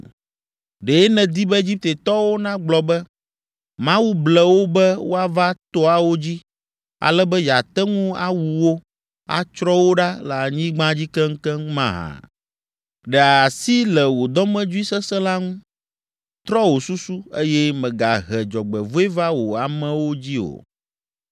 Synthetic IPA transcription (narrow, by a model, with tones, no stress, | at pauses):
ɖe˨ɛ˦nɛ̃˨d̪i˦bɛ˦e˦d͡ʑi˦p̚t̪e˨t̪ɔ˦wo˦nã˦ɡ͡blɔ˨bɛ˦ | mã˦wu˦blɛ˨wo˦bɛ˦wo˦a˦va˦t̪o˦a˦wo˦d͡ʑi˦ | a̰˨lɛ˦bɛ˦ja˨t̪ɛ˦ŋũ˦a̰˦wu˨wo˦ | a̰˨t͡ʃɾɔ˦wo˦ɖa˦la˨ɲĩ˦ɡ͡bã˦d͡ʑi˦kɛ˦ŋ̩˦kɛ˦ŋũ˦mã˦˨ɦã̰˨ | ɖɛ˨a˨si˦lɛ˨wo˨d̪ɔ˦mɛ̃˦d͡ʒu˦i˦sɛ˦sɛ̃˦la˦ŋũ˦ | t̪ɾɔ˦wo˨su˦su˦e˦jɛ˦mɛ̃˨ɡa˨ɦɛ˨d͡ʒɔ˨ɡ͡bɛ˨vo˦e˦va˦wo˨a˨mɛ̃˨wo˦d͡ʑi˦o̰˨